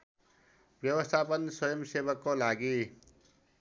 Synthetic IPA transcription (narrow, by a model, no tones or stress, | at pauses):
bjʌwʌst̪ʰapʌnsʌjʌmsebʌkːolaɡi